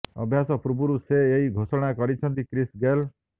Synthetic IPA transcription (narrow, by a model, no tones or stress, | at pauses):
ɔ̰bʱjasɔpɾubuɾuseːɦiɡʱosɔɽ̃akɔɾit͡ʃʰɔnt̪ikɾisɡel